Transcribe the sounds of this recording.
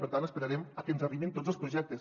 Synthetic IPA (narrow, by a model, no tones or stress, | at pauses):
pəɾt̪anəspəɾaɾeməkɛnzəriβint̪od͡zəlˠspɾuʒɛk̚t̪əs